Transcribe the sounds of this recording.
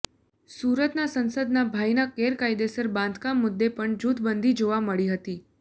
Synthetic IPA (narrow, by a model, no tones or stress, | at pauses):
suɾət̪nasənsəd̪nabʱajnakeɾkajd̪esəɾbãnd̪kamːʊd̪ːepəɳd͡ʒut̪ʰbənd̪ʱid͡ʒoʋaməɭiɦət̪i